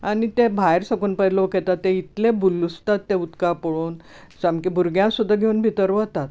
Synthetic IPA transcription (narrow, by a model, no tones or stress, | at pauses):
añit̪ebʱajɾsəkuːnpəloket̪at̪ːeit̪lebulust̪at̪ːeut̪kapəɭoːn | samkibʱuɾɡjãsud̪ʱːaɡʱeunbʱit̪əɾʋət̪at̪